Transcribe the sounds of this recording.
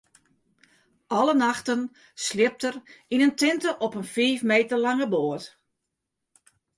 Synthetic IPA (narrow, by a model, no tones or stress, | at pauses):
ʔɔlənaxtən | slɪp̚tərinəntɪntəʔɔpənfiːfmeːtərlɑŋəboət